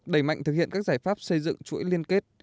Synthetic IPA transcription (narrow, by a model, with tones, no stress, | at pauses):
ɗə˧˩jma̰˧˨jŋ̟t̪ɨ˨k̚hḭ˧˨ənkaː˦˥k̚zaː˧˩jfaː˦˥p̚sə˧jzɨ̰˧˨ŋt͡ɕṵ˧˥˦jli˧ənke˦˥t̚